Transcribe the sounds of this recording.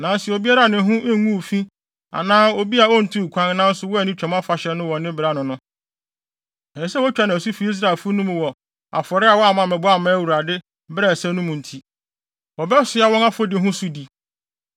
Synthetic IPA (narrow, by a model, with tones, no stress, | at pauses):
nã˨n˦sɛ˨o˨bi˦a˦ɾa˨nɪ̃˨˦ɦʊ̃˦ʔŋũ˦˨fĩ˦ | a̰˨nãː˦o˦bi˦a˨ɔ˦n̩˨tʰũ˦˨kʷʰã˦ŋ˦nã˦n̩˦sʊ˦wɔ˦ɛ˨nĩ˦t͡ɕᶣɛ˨mã˦fa˨ɕɛ˨nʊ̃˦wɔ̃˨nɪ̃˦bɪ˨ɾa˦nʊ̃˨nʊ̃˦ | ɛ̃˨n˦sɛ˦wɔ˦t͡ɕᶣa˨˦nã˨su˦fi˨˦i˦s̬ɾa˨e˨lfʊ˦nũ˦m̃˨wɔ˨ | a̰˨fɔ˨ɾɪ˦a˨wɔ˦a˨mã˨mɛ̃˨bʊ˦a˦˨mã˦æ˦wu˨ɾa˨dɪ˦ | bɾɛ˨sɛ˦nũ˦mũ˨n̩˨tʰi˦ | wɔ˨bɛ˦sʊ˨˦a˨˦wɔ̃˦na˦fɔ˦dɪ˨˦ɦʊ̃˦sʊ˦di˨